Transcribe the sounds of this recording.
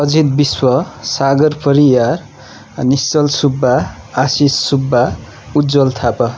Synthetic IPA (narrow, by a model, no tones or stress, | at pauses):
ʌd͡zit̪̚biswʌsaɡʌrpʌɾijar | nist͡sʌlsubʱːaː | sisːubʱːa | ud̪d͡zʌlt̪ʰapʌ